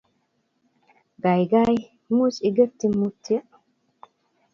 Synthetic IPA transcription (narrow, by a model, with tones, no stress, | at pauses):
ɡa˨jɡa˦j | mu˦sɪ˨ɡɛ˦pt̪i˦mu˦t̪ʰːi˦